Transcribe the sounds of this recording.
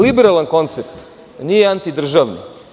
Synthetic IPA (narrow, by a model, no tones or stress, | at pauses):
libeɾalˠanko̞nt̪sept̪ | nijeant̪id̪r̩ʒaʋno̰